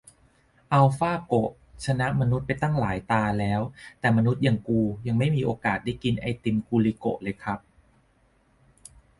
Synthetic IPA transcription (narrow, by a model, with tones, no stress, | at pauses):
ʔa˧wfaː˥˩ko˨˩ʔ | t͡ɕʰa˧na˦˥ʔma˧nu˦˥t̪̚pa˧jt̪a˥˩ŋlaː˩˦jt̪aː˧lɛː˦˥wt̪ɛː˨˩ma˧nu˦˥t̪̚ja˨˩ŋkuː˧ja˧ŋma˥˩jmiː˧ʔoː˧kaː˨˩t̪̚daː˥˩jki˧nʔa˧jt̪i˧mkuː˧liː˧ko̰˨˩ʔlɤː˧jkʰɾa˦˥p̚